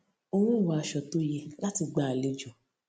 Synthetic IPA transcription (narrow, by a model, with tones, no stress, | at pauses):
o˧w̃ũ˦˨wɔ˨a˧ʃɔ˨to˦je˧la˦ti˧ɡ͡ba˧˨a˨le˧d͡ʒɔ̃˨